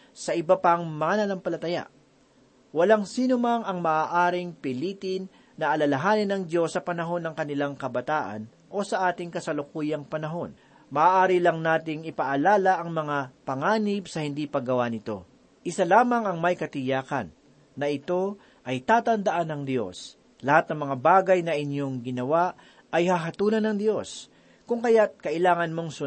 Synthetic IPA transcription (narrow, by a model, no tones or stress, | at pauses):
sɐʔɪbɐpɐŋmɐanɐnɐmpɐlɐt̪ɐja̰ʔ | wɐlaŋsiːnʊmɐŋɐŋmɐʔaːʔaːɾɪŋpɪliːt̪ɪnː | ɐʔɐlɐlɐɦaːnɪnɐŋd̪jo̞sːɐpɐnɐɦo̞nːɐŋkɐnɪlaŋkɐbɐt̪aːʔɐ̰n | ʔo̞sɐʔaːt̪ɪŋkɐsɐlʊkuːjɐŋpɐnɐɦo̞n | mɐʔːʔaːɾɪlɐŋnaːt̪ɪŋɪpɐʔɐlaːlɐʔɐŋmɐŋapɐŋaːnɪbsɐhɪnd̪ipɐɡɐwanɪt̪o̞̰ | ʔɪsalaːmɐŋɐŋmɐjkɐt̪ɪjaːkɐ̰nː | ɐɪt̪o̞ | ʔɐjt̪aːt̪ɐnd̪ɐʔanːɐŋd̪jo̞̰s | lɐhat̪̚nɐŋmɐŋabaːɡɐjnɐʔɪɲjo̞ŋɡɪnɐwaʔ | ɐjhaɦɐt̪uːlɐnɐŋd̪jo̞s | kʊŋkɐjat̪̚kɐʔɪlaːŋɐnmo̞ŋsʊ